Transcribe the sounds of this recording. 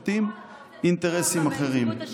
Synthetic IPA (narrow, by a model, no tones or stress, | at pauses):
t̪im | int̪eʁesimaχeʁim